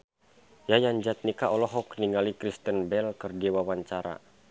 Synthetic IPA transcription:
jajaɲd͡ʒat̪̚nikaʔɔlɔɦɔkniŋɡalikɾist̪ənbɛlkərdiwawaɲt͡ʃaɾa̰

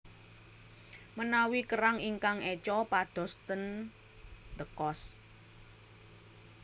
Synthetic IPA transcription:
mənawikəɾaŋiŋkaŋɛt͡ʃɔpad̪̥ɔ̤st̪ən | d̪əkɔs

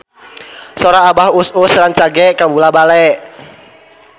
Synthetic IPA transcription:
sɔɾaːbahususɾaŋt͡ʃaɡɛkabulabalɛʔ

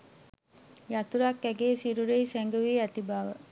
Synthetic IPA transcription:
jat̪uɾakːæɡeːsiɾuɾeisæŋɡəʋiːæt̪ibaːʋə

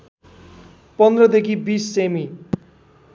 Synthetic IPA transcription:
pʌnd̪ɾʌd̪ekʰibisːemi

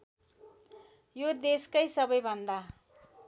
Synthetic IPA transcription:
jod̪eskʌjsʌbʌjbʱʌnd̪a

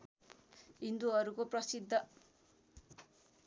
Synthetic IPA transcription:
ɦind̪uʌɾukoprʌsid̪ʱːʌ

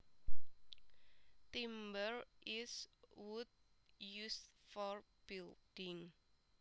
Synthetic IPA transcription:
tĩmbəɹʔiswud̚jusfɔɹb̥ildĩŋ

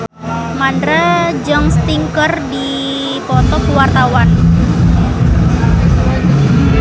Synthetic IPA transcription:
mandɾad͡ʒɔŋst̪iŋkərdi | pɔt̪ɔkəwart̪awan

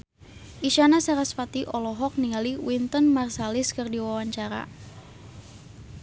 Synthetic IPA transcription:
ʔiʃanasaɾasfat̪iʔɔlɔɦɔk̚niŋaliwint̪ənmarsalɪskərdiwawaɲt͡ʃaɾa̰

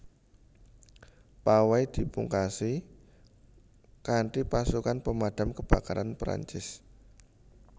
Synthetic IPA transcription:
pawajd̪̥i̤puŋkasi | kaɳʈipasukanpəmad̪̥a̤mkəb̥a̤kaɾanpɾa̰ɲt͡ʃɪs

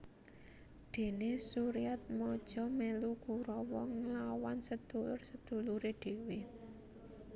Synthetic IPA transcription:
d̪̥e̤nesuɾijat̪̚mɔd̥ʒ̥ɔ̤meluɡ̥ṳɾɔwɔŋəlawansəd̪̥ulʊ̰rsəd̪̥ṳluɾeɖ̪̥e̤we

